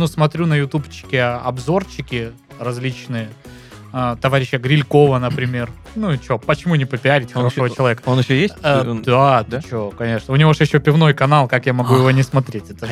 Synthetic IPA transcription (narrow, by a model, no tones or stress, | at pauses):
nusmɐt̪ɾʲunəjʊt̪upt͡ɕːɪ̥kʲɪɐɐbzo̞rt͡ɕːɪkʲɪ | rɐzʲlʲit͡ɕnɨjə | at̪ɐvaɾʲɪɕːəɡɾʲɪlʲko̞vənəpɾʲɪmʲe̞r | nut͡ɕopət͡ɕɪmunʲɪpəpʲɪaɾʲɪtʲuʂvət͡ɕɪlˠɐvʲekə̥onɪɕːojed̪at͡ɕokɐnʲe̞ʂnəʊnʲɪvoʂjɪɕːo̞pʲɪvno̞jkɐnalˠkakjamɐɡujɪvo̞nʲɪsmɐt̪ɾʲetʲɛt̪ə